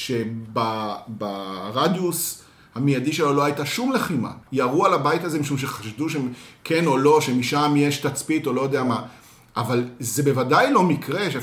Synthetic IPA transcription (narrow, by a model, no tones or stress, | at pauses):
ʃe̞babaʁad̪jus | hamijadiʃelolo̞hajtaʃumle̞χima̰jaʁualabajithazemiʃumʃ̬e̞χaʃduʃemkʰe̞no̞lo̞ʃe̞miʃamjeʃt̪at͡spit̪o̞lo̞jod̪eama | ʔavalze̞be̞vadajlo̞mikʁeʃe